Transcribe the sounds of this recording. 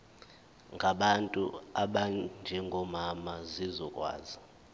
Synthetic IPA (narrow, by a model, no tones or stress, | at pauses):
ŋɡʱaɓantʼṵaɓand͡ʒʱɛŋɡʱɔmamazizɔkʼwa̰ːzi